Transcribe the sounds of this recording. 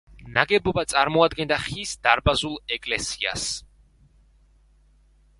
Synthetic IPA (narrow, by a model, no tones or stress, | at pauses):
naɡɛbɔbat̪sʼaɾmɔad̪ɡɛnd̪aχisd̪aɾbazulˠɛkʼlɛsia̰s